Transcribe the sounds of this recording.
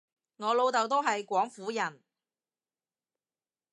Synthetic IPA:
ŋɔː˨˧lo˨˧wt̪ɐ˨wt̪o˥wɦɐ˨jkʷɔː˨˥ŋfuː˨˥jɐ˨˩n

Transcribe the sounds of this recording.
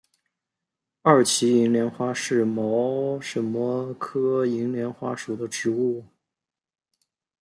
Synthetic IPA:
ɐ˞˥˩t͡ɕʰi˧˥i˧˥ŋljɛ˧˥nxwa˥ʂɻ̩˥˩mɑ˧˥ʊʂə˧˥nmə˧kʰɤ˥i˧˥ŋljɛ˧˥nxwa˥ʂu˨˩d̪ə˦ʈ͡ʂɻ̩˧˥u˥˩

